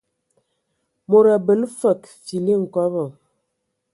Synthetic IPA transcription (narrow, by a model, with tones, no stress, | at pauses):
mo˨ɾa˨bə˨lfə˨kfi˨li˦˨ŋ̩˨kɔ˦bə˨